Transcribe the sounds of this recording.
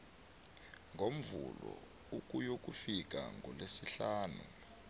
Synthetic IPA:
ŋɡʱom̩vulɔ | uk̬ʼujok̬ʼufik̬ʼaŋʱɔlesiɬaːnu

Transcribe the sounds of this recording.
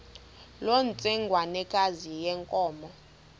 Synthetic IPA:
lont͡sʼɛŋɡʱwanɛkʼazijɛŋkʼɔːmɔ

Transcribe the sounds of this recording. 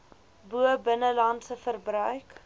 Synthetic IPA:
buəbənəlɐntsəfərbrœɥk

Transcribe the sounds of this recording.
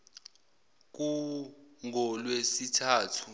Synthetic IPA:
k̬u | ŋʱɔlwesitʰaːtʰu̥

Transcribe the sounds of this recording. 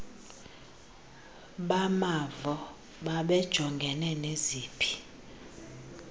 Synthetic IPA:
ɓamavɔ | ɓaɓɛd̥ʒ̥ʱɔŋɡʱɛnɛneziːpʰi̥

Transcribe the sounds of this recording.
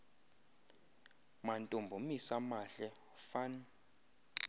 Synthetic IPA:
mantʼumbʱumisamaɬɛ | fan

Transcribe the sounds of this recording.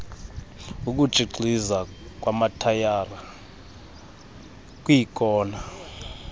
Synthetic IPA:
uk̬ud̥ʒ̥ʱiɡ͡ǀʱiza | k̬ʼwamatʰajaːra | k̬ʼwikʼɔːna

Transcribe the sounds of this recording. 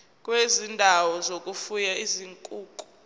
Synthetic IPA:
k̬ʼwezindʱawɔzokʼufujaiziŋkʼuːkʼu̥

